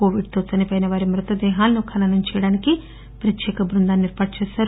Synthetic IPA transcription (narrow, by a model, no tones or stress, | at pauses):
ko̞ːʋiɖ̚t̪oːsɐnipɐjnɐʋaːɾimɾut̪ɐd̪ɛːɦaːlɐnukʰɐnɐnɐmt͡ʃɛjɐɽaːniki | pɾɐt̪jɛːkɐbɾund̪aːnːniɾpaːʈ̚t͡ʃɛːʃaːɾ